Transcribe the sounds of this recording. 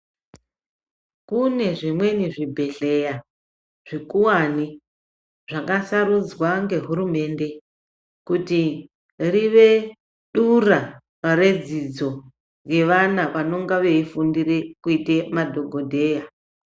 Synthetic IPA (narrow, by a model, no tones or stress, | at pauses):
kune̞ʐimwe̞niʐibʱe̞ɬe̞ja | ʐ̥ikuwani | ʐ̥akasaɾud͡zwaŋɡe̞ɦuɾume̞nde̞ | kuti | riʋe̞ | ɗura | re̞d͡zid͡zo̞ | ɡe̞ʋanaʋano̞ŋɡaʋe̞ifundirekuite̞madʱo̞ɡʱo̞dʱe̞ːja